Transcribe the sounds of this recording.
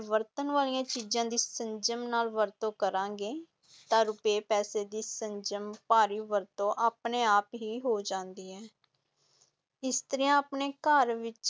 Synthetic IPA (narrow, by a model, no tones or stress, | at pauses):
ʋəɾt̪ənʋaːlijãːt͡ʃiːzãːd̪iːsəɲd͡ʒəmnaːlʋəɾt̪õːkəɾãːɡeː | t̪ãːɾʊpeːpɛːseːd̪iːsəɲd͡ʒəmpaːɾiːʋəɾt̪õːʔaːpneːaːpɦiːɦoːd͡ʒãːnd̪iːɦɛː | ɪst̪əɾiãaːpneːkəɾʋɪt͡ʃ